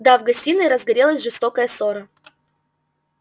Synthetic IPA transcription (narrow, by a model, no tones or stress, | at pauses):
d̪avɡɐsʲtʲinɨɾəzɡɐɾʲelˠəsʲʐɨst̪okəjəsoɾə